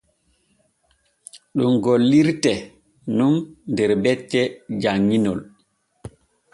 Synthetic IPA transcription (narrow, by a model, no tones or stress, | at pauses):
ɗumɡolːiɾtɛ | nunndɛɾbɛtːɛd͡ʒaŋːinɔl